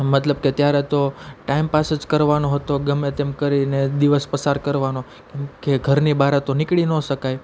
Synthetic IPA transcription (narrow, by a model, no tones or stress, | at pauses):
mət̪ləb̚ket̪jaɾet̪oʈaimpased͡ʒkəɾʋanoɦət̪oɡəmẽt̪emkəɾined̪iʋəspəsaɾkəɾʋano | kemkeɡʱəɾnibaɾat̪onɪkɭinoʃəkaj